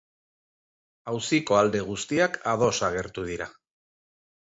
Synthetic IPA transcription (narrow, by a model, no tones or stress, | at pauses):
awsiko̞ald̪e̞ɣ̞ust̪iakað̞o̞saɣe̞ɾt̪uðiɾa